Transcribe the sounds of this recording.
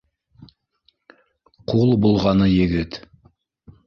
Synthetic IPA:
qʰulˠbulˠʁɑnəjeɡʲɪt̪

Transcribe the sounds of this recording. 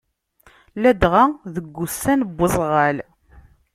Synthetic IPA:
læd̪ʁaðəɡʷːusːænəbːəzˤʁæl

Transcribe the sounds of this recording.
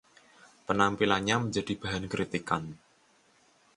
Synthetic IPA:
pənampilaɲɲaməɲd͡ʒa̤d̥i̤b̥a̤ɦankɾit̪ikan

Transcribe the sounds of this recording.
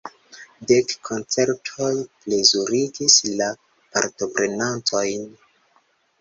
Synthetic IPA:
de̞kkʰːo̞nt͡se̞ɾtʰo̞jple̞zuɾiɡisla | pa̰ɾto̞pɾe̞nanto̞jn

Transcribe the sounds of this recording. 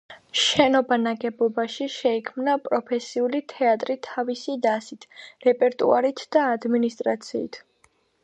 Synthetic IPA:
ʃɛnɔbanaɡɛbɔbaʃiʃɛikʰmnapʼɾɔpʰɛsiulit̪ʰɛat̪ʼɾit̪ʰavisid̪asit̪ʰɾɛpʼɛɾt̪ʼṵaɾit̪ʰd̪̥aːd̪minist̪ʼɾat̪sʰḭːt̪ʰ

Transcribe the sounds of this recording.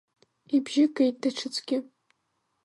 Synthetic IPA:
ibʒɪkʰʼejt̚daʈ͡ʂʰɨt͡sʼɡʲɪ

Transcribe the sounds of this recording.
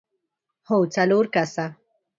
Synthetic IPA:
howt͡saluɾkasa

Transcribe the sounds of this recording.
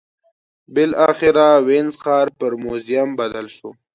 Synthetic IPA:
bɪlɑxɪɾawenzxɑːɾpəɾmozijambad̪alʃo

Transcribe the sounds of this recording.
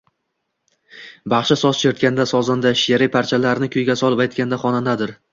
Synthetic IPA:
bɑχʃasɒzt͡ʃʰeɾt̪kʲand̪asɒzand̪aʃjaɾɪpʰaɾt͡ʃʰalaɾɪnɪkʲʰɵjɡʲasɒlˠɪpajt̪̚kʲand̪aχɒnand̪ad̪ɪɾ

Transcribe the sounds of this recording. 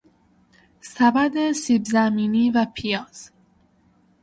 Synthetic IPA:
sæbæd̪esibzæmiːniːvæpʰijɒːz̥

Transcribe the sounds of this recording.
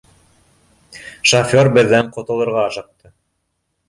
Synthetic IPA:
ʃofʲoɾbɘ̆ðːæɴqŏt̪ɤ̆lˠɤ̆ɾʁɑɑʃɤ̆q̚t̪ɤ

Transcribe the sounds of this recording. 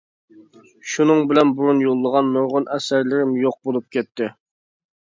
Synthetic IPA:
ʃunɨŋbɪlɛnbuɾunjolˠːəʁɑnːoɾʁʊnʔɛsæɾlɪɾɪmjoq̚bolˠup̚kʲʰɛt̪ːɪ

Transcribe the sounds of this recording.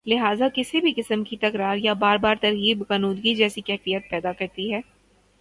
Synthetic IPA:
lɪɦaːzakɪsibʱikɪsəmkit̪ɐkɾaːɾjabaːɾbaːɾt̪ɐɾɣiːbkɐnuːd̪ɡid͡ʒɛːsikɛɦfijət̪̚pɛːd̪akɐɾt̪iɦɛː

